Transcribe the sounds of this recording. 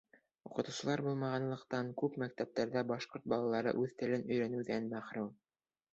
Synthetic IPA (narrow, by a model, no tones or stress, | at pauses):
uqɤ̆t̪ŭwsɤ̆lˠɑɾbulˠmɑʁɑnlˠɤ̆qt̪ɑŋkʉpmækt̪æp̚t̪æɾðæbɑʃqoɾt̪̚bɑlˠɑlˠɑɾɤ̰ʔʉðt̪ɘ̆lɘnɵ̆jɾænɘwðænmæχɾuw̪ˠ